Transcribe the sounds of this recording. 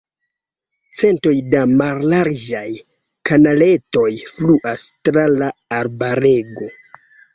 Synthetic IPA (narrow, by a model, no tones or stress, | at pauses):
t͡se̞nto̞jdamalːaɾd͡ʒaj | kanale̞to̞jfluʔastɾalaːɾbaɾe̞ɡo̞